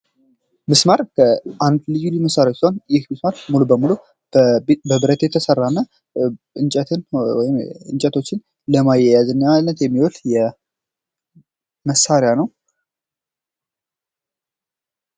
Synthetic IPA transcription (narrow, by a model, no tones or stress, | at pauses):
mɨsmaɾkʰəʔand̪lɨjiluməsːaɾjaot͡ʃːsihonjɪhmɨsmaɾmulubəmulu | bəbɨɾət̪jɛt̪ʰəsərːanːa | ɨnt͡ʃʼɛt̪ʰɨnwɔjɪmɨ̰nt͡ʃʼɛt̪ʰo̞t͡ʃːɪn | ləmajɛjazɨnːalːət̪jɛmːiwɔljɛ | məsːaɾɪjanəw